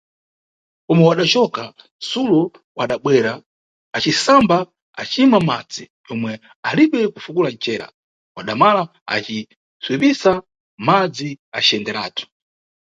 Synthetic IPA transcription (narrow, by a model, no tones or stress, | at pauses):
kɔmɛwaɗat͡ʃɔka | sulɔ | waɗaɓwɛɾaː | t͡ʃisamba | a̰t͡ʃiimamad͡zi | jɔmwɛ | aliɓɛkufukulant͡ʃɛɾa̰ | waɗamala | a̰t͡ʃi | swipisa | mad͡zia̰t͡ʃɛndɛɾaːtʰu̥